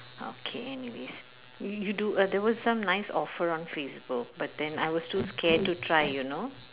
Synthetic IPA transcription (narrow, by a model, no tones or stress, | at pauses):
o̰kʰḛɛniʋḛs | jjuɖud̪ɛʋɔzsãmnaɪsɔfəɾɔ̃nfeːsbʊk̚baʈ̚d̪ɛ̃na̰ɪʋɔz̥ʈuːskʰɛːɖ̚ʈːuʈʰɾaɪjunoː